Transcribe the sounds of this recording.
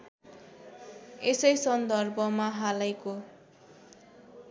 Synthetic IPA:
esʌjsʌnd̪ʌrbʱʌmaɦalʌjko

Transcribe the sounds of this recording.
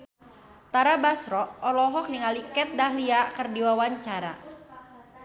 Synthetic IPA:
t̪aɾabasɾɔʔɔlɔɦɔk̚niŋalikɛt̪̚daɦliakərdiwawaɲt͡ʃaɾa̰

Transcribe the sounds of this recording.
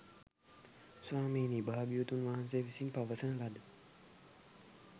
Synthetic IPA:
swaːmeːnibaɦabijut̪unʋaɦansejːʋisimpaʋəsənəlad̪ə

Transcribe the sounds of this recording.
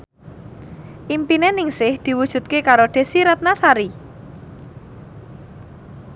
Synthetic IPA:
ʔimpinenɪŋsɪhd̪̥i̤wud̥ʒ̥ṳt̪̚kekaɾoɖ̪̥e̤siɾat̪̚nasaɾi

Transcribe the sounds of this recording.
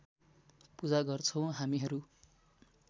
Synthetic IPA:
pud͡zaɡʌrt͡sʰʌw̃ɦamiɦʌɾu

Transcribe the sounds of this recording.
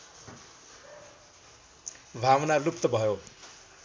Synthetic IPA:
bʱawnalup̚t̪ʌbʱʌjo

